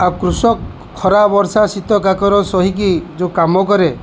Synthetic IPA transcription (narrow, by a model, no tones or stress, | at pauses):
akɾusɔk | kʰːɔɾabɔɾsasit̪ɔkakɔɾɔsɔɦik̬id͡ʒokamɔkɔɾe